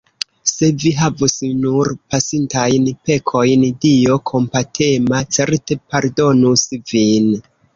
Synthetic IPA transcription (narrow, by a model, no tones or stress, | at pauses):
se̞viɦavusnuɾpasintajnpe̞kʰo̞jndio̞kʰo̞mpatʰe̞mat͡se̞ɾte̞paɾdo̞nusvin